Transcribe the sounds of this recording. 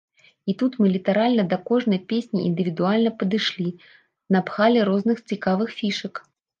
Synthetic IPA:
it̪ut̪mɨlʲit̪aɾalʲnɐd̪ɐkɔʐnɐjpʲesʲnʲiḭnd̪ɨvʲid̪ualʲnɐpɐd̪ɨʂlʲi | nɐpxalʲɛɾɔznɨxt͡sʲikavɨxfʲiʂɐk

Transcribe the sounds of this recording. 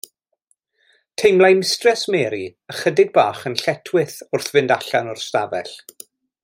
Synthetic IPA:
tʰejmlˠajmɪstrɛsmɛːɾiəχədɪɡ̚baːχənɬɛtʰwɪθʊrθvɪndaɬanʊrstavɛ̰ɬ

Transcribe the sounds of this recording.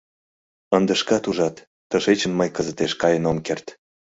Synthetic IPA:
ənd̪ə̆ʃkɑt̪uʒɑt̪ː | əʃet͡ɕənməjkəzət̪eʃkɑjənomkert̪

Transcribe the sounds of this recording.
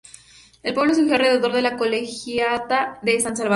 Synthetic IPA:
elpwe̞βlo̞s̬uxjoarɾe̞ðeðo̞ɾðelako̞lexjat̪aðesans̬alβa

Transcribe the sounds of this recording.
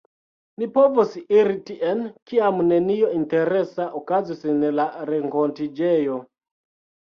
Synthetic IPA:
nipɔvosiiɾitiʔɛnkiamuneniointeɾɛsaʔokazisinɛlaɾeŋkontid͡ʒɛjo

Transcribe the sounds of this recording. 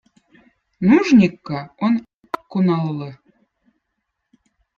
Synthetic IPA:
nuʒnʲikːɑon | kunɑlːɤ̆

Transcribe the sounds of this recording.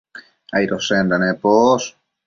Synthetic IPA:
ajɾosend̪anepos

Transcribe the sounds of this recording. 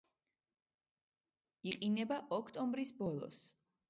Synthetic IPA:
iqʼinɛbaʔɔkʰt̪ʼɔmbɾisbɔlˠɔ̰s

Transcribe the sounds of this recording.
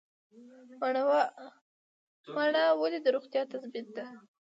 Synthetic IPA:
waɳɑwalid̪əɾoɣt̪jɑt̪asbɪt̪̚d̪a

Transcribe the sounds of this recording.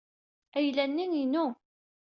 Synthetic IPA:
æjlænːiŋinu

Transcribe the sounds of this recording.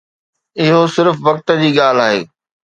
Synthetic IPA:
ɪɦosɪɾfʋɐk̚t̪ə̆d͡ʑiːɠaːl̤aːɦḛː

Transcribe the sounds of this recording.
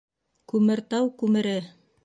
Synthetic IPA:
kʉmɘ̆ɾt̪ɑwkʉmɘ̆ɾɘ

